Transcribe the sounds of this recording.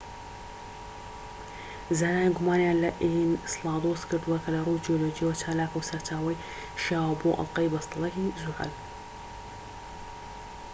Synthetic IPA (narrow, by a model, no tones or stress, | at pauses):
zaːnaːniɡumaːnjaːnlɐʔinslɑːd̪oːskʰɨɾd̪uwɐkʰɐlɐrˤud͡ʒioloːd͡ʒijwɐt͡ʃʰaːlaːkɐwsɐɾt͡ʃaːwɐj | ʃaːwɐboːʔɐ̰lqɐjbɐst̪ɑlˠɐɦizuʕɐ̰l